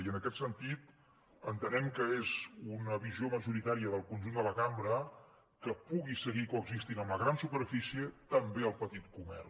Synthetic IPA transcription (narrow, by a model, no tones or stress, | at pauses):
iənəkɛt̪sənt̪it̪ | ənt̪ənɛmkəezunəβizioməʒuɾit̪aɾiəðəlˠkunʲʒund̪ələkambɾə | kəpuɣisəɣikoəɡzist̪inəmləɣɾansupəɾfisiət̪əmbeəlˠpət̪it̪̚kumɛ̰r